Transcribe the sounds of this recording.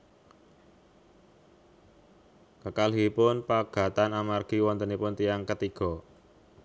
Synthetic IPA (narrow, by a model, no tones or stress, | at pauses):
kəkalɦipʊnpaɡ̥ä̤t̪anamarɡ̥i̤wɔnt̪ənipʊnt̪ijaŋkət̪iɡ̥ɔ̤